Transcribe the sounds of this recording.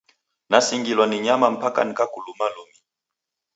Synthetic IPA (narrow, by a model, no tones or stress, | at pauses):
nasiŋɡilwaniɲamam̩paka̰nikakulumalumi